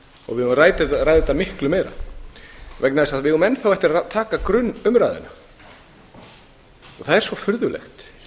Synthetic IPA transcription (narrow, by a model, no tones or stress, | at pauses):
ɔ̰ɣvɪðʏmraːjt̪raːjðɪt̪amɪhklʏmɛːɾa̰ | vɛknaðɪsaðvɪʏʏmɛnːθawɛht̪ɪɾaat̪ʰaːkakɾʏnːʏmɾajðɪ̰na | ɔθaðɛɾ̥svɔfʏɾðʏlḛxt̪